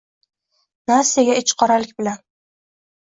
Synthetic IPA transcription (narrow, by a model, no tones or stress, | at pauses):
naseaɡʲaɪt͡ʃqʰɒɾalɪkʲbɪlan